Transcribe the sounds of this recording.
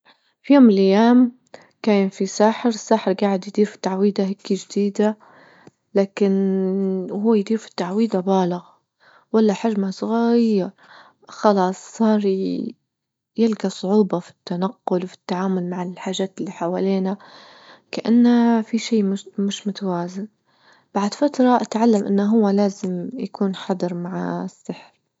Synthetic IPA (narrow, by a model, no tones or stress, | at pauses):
fijoːmːɪlʔajːaːm | kaːnfisaːħɪɾɪsːaːħɪɾɡaːʕɪd̪jd̪iːɾfi̥t̪aʕwiːd̪aɦɪkːid͡ʒɪd̪iːd̪a | laːkɪn | huwːajd̪iːɾfi̥t̪ːaʕwiːd̪abaːlɪɣ | walːaħaʒmasˤɣajɾ | xɑlɑːsˤsˤɑːɾˤ | jɪlɡasˤʊʕuːbɑfi̥t̪ːanaqːʊlwfi̥t̪ːaʕaːmʊlmaʕɪlħaːʒːaːt̪ɪlːiːħawaleːna | kaʔanːafiʃiːmmɪʃmʊt̪awaːzɪn | b̥aʕd̪fat̪ɾˤɑʔat̪ʕalːamʔɪ̰nːaɦʊwːalaːzɪmjakuːnħɑd̪ˤɨɾˤmaʕasːɪħɾ